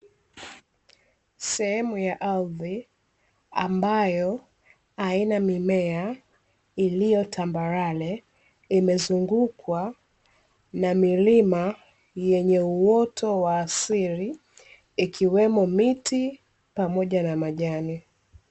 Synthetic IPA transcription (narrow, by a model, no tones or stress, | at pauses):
sɛhɛmujaʔalði | ambajɔ | ainamimɛa | ilijɔtʰambaɾalɛ | imɛzuŋɡukwa | namilima | jɛɲɛuwɔtʰɔwaːsiɾi | ikʰiwɛmɔmiti | pamɔʄanamaʄani